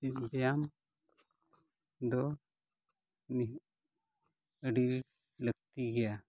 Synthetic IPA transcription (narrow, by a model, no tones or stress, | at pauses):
ibɛjam | d̪ɔ | ni | əɖil | ləɡ̚t̪iɡɛja